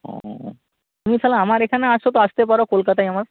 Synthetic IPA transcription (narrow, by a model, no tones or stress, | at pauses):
ɔ̰̃ | t̪umifʰɛlaamaɾekʰaneaʃot̪̬oaʃt̪epaɾokolkat̪ajamaɾ